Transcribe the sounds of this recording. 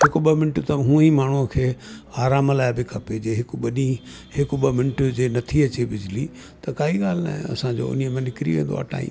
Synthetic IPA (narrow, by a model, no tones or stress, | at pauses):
ɦɪkʊɓɐmɪnʈt̪ɐɦũːimaːɳ̤uəkʰeːaːɾaːmlaːɪbɪkʰɐped͡ʑeːɦɪkɓɐni | hɪkʊɓɐmɪnɪʈd͡ʑeːnɐt̪ʰiɐt͡ɕebɪd͡ʑɪli | t̪ɐkaːɦiɠaːl̤ɪna̰ːɦḛ̃ɐ̰sãd͡ʑo̰ːʊ̰niəmɐ̃nɪkɾiʋẽːnd̪o̰a̰ːʈa̰ːḭ̃ːm